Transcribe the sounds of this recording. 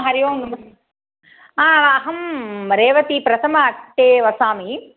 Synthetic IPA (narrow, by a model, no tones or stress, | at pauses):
ɦɐɾiʋɐːnumɐ | aːɐɦɐmɾeːʋɐt̪ipɾɐt̪ʰɐmɐːʈːeːʋɐsaːmi